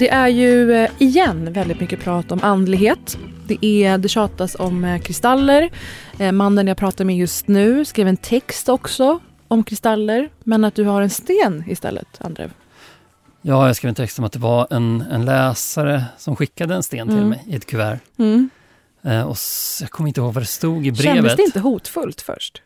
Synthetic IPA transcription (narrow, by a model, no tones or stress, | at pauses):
d̪̥ɛʔæɾjɵɪjɛnːvɛld̪ɪt̪mʏkːəpʰɾɑːt̪ɔmʔand̪lɪɡɦeːt̪ | d̪ɛʔæd̪ɛɕɑːt̪asɔmkʰɾɪst̪alːəɾmanːənjaɡpʰɾɑːt̪aɾmɛjɵst̪nʉ̟ːskɾiːvɛnt̪ʰɛkst̪ɔksɔ | ɔmkʰɾɪst̪alːəɾmɛnat̪̚d̪ɵhaɾɛnst̪eːnɪst̪ɛ̰lːə̰t̪a̰nd̪ɾḛːv | jɑːjaɡskɾivɛnt̪ʰɛkst̪ɔmat̪d̪ɛvaɛnɛnlɛːsaɾəsɔmɧɪkːad̪əɛnst̪eːnt̪ʰɪlmɛjɪɛt̪kʰɵvæːɾ | ɔjɑɡkʰɔmːəɪnt̪əhoːɡvaɖɛst̪uːɡɪbɾɛnːvəst̪ɛɪnəɦuːt̪fɵlt̪fœ̰ʂʈ